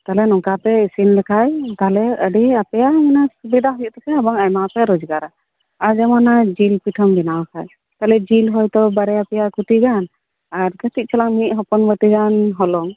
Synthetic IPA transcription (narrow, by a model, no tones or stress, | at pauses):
t̪alɛnɔŋkapɛisinlɛkʰajt̪aɦlɛəɖiapɛjaminasubid̪aɦujuʔ̚t̪ɔkɛabaŋajmapɛɾɔd͡ʒɡaɾa | aɾd͡ʒɛmanad͡ʒilpiʈʰɔmbinawkʰaj | t̪alɛd͡ʒilɦɔjt̪ɔbaɾɛapɛjakuʈiɡan | aɾkət̪iʔ̚t͡ʃʰɛlaŋmit̪̚ˀɦɔpɔnbəʈiɡanɦɔlɔŋ